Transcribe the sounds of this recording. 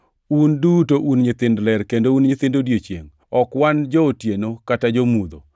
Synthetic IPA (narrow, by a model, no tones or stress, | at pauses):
undutoʔunɲɪt̪ɪndlɛɾkendounɲɪt̪ɪndodjet͡ʃjḛŋ | ɔkwand͡ʒɔːtjenokatad͡ʒomud̪o̰